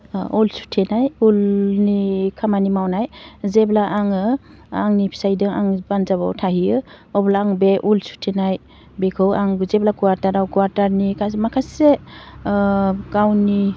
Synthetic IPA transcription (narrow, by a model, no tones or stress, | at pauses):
ɔlsu̥tʰenajulnikʰamanimawnajzeblaʔaŋɯ | aŋnipʰi̥sajdɯŋa̰ŋbanzaba̰wtʰahiɯ | ɔblaaŋbeʔulsu̥tʰenaj | bekʰɯwaŋzeblakuwaɾtaɾawkuwaɾtaɾnikʰasmakʰase | kawni